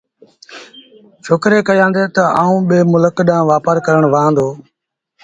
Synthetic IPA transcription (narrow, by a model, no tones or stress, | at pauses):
ʃoːkɾeːkəjãːnd̪eːt̪əaːũːɓeːmʊləkɗãːʋaːpəɾkəɾəɳʋəãːnd̪oː